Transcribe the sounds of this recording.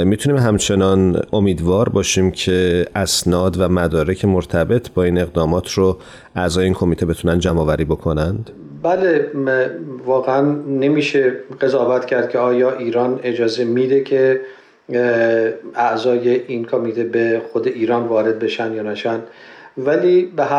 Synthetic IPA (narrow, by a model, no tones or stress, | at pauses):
mit̪ʰuniːmɦæmt͡ʃʰe̞nɒnʔo̞miːd̪vɒːɾbɒːʃiːmcʰe̞ʔæsnɒːd̪væmæd̪ɒːɾe̞cʰe̞moɾt̪ʰæbe̞t̪ʰbɒːiːne̞ɣd̪ɒːmɒːt̪ʰɾo | ʔæzɒːjeiːnkʰo̞miːt̪ʰe̞be̞t̪ʰunænd̪d͡ʒæmɒːvæɾiːbo̞kʰo̞nænd̪̥ | bæle | vɒːɣeænːemiːʃeɢ̥e̞zɒːvæt̪cʰæɾd̪̥̚cʰeɒːjɒːʔiːɾɒːne̞d͡ʒɒːze̞mid̪ecʰe | æzɒːjeʔinkʰomiːt̪ʰebexod̪e̞ʔiːɾɒːnvɒːɾe̞d̪̚be̞ʃænd̪jɒːnæʃænd̪væliːbeɦæ